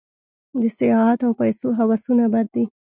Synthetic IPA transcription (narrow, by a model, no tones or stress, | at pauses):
d̪əsɪjɑɦat̪awpajsoɦawasunabad̪̚d̪i